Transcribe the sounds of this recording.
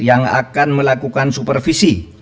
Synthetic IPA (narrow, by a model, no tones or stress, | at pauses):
jaŋa̰kanməlakukansupərfisi